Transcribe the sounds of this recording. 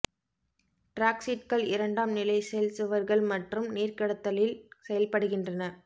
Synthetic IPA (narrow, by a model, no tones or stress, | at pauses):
ʈɾaːksɪʈ̚kɐɭɪɾɐɳɖaːmnɪlɐɪsɛjlsɯʋɐɾɣɐɭmɐʈrɯmneːɾkɐɽɐt̪ːɐlɪlsɛjɐlpɐɽɯɣɪndrɐnɐ